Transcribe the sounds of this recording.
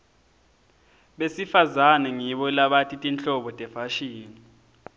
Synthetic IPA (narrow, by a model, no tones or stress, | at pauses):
ɓesifazanɛŋiɓɔlaɓatʰʼitʼint͡ɬɔɓɔtʼɛfaʃiːni